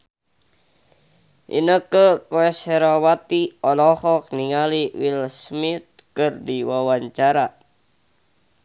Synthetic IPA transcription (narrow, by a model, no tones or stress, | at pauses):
ʔḭnəkəkoɛseɾawat̪iɔlɔhɔk̚niŋaliwilsmit̪̚kərdiwawaɲt͡ʃaɾa